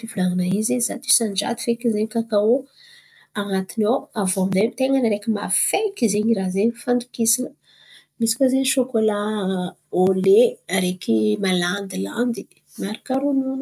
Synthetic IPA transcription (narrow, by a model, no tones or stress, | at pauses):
fivulaŋanaizezat̪i̥sand͡ʒa̰d̪i̥fekizeɲkakau | aŋat̪inowavomizet̪eŋanaɾekʲima̰fekizeɲiɾazeɲfand̪u̥kisinə | misi̥kʲazeɲiʃokola | oleɾekimaland̪ila̰nd̪i | maɾi̥kaɾununə